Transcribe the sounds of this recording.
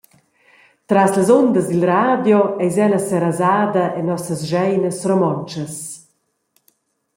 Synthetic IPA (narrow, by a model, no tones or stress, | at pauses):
t̪ɾasləzɔnd̪əzd̪ilraːd̪jɔɛjzɛləsɛɾazaːd̪ɐʔɛnɔsəsʒɛjnəsrɔmɔnt͡ʃəs